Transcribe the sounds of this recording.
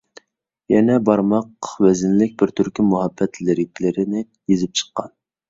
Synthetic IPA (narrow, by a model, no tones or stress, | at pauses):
jɛnɛbɑɾmɑqwɛzɪnlɪk̚ʲbɪɾt̪ʰyɾkʲimuɦɑbːɛt̪ʰlɪɾɪkʲlɪɾɪnɪ | jezɪp̚t͡ʃʰə̥qːɑn